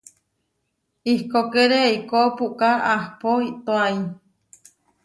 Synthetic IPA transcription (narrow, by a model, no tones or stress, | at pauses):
ihkokeɾeikopuʔkaahpoit̪oai